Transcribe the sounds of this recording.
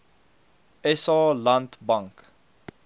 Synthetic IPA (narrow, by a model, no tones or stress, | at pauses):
ɛsɑːlɐntbɐŋk